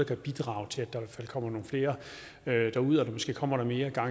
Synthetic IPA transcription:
ɐkʰæb̥id̥ʁɑ̰̈ːʊt͡sʰe̝æd̥ɑ̈iʋæɐfæl̰kʰɒ̽m̰ɐno̝ːn̩fle̝ːɐ | ød̥ɑ̈uð̰ˠɒd̥ɑ̈mɒsɡ̥e̝̰ːkʰɒ̽m̰ɐɾ̥ɑ̈me̝ːɐɡ̥ɑ̈

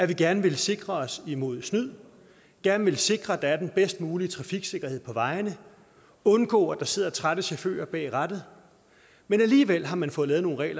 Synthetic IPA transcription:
æɐʋiɡ̥æɐnəʋe̝lse̝ɡ̥ʁɐɒ̽simo̝ð̞̰ˠsnyð̰ˠ | ɡ̥æɐnʋe̝lse̝ɡ̥ʁɐd̥ɑ̈æɐd̥enb̥esd̥muːlit͡sʰʁɑ̈fiɡ̥se̝ɡ̥ɐhe̝ð̰ˠpʰɒ̽ʋɑ̈ɪnə | ɔ̽nɡ̥ɔ̰̽ːɒd̥ɑ̈se̝ð̰ˠɐt͡sʰʁad̥əɕæfø̰ːɐb̥ɛ̰ːʁad̥ð̩ˠ | menæliːʋel̰ɦɑ̈mænfɔ̽ːð̩ˠlɛːð̩ˠno̝ːnʁɛ̰ːlɐ

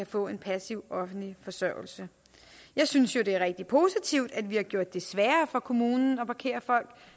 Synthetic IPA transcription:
æfɔ̰̽ːe̝npʰæsiʊ̰ʔɒ̽fn̩dlifɒ̽sɶʊ̰l̩sə | jɑ̈ɪsynsjo̝ɾe̝æɐʁeɡ̥̚d̥ipʰo̝sit͡sʰiʊ̰d̥æd̥ʋihɑ̈ɡ̥jo̝ɐ̰d̥ːe̝sʋæːɐfɒ̽kʰo̝muːnn̩ɒ̽pʰɑ̈kʰe̝̰ːɐfɒ̽l̰ɡ̥

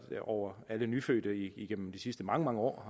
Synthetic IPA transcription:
ɒʊ̰ɐælənyføːd̥əiiɡ̥en̰m̩d̥isisd̥əmɑ̈ŋəmɑ̈ŋəɒ̰ː

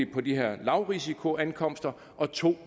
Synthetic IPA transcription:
ipʰɒ̽d̥iɦeɐ̰lɑ̈ʊʁisikʰo̝ænkʰɒ̽m̰sd̥ɐ | ʔɒ̽t͡sʰo̝̰ː

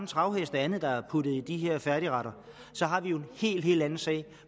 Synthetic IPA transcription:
mn̩t͡sʰʁɑ̈ʊɦesd̥æænð̩ˠd̥ɑ̈æɐpʰud̥ð̞̩ˠid̥iɦeɐ̰fæɐɾiʁɑ̈ɾɐ | sɒ̽ɦɑ̈ʋijo̝e̝nhe̝̰ːld̥ɦe̝̰ːl̥ænn̩sɛ̰ːɪ

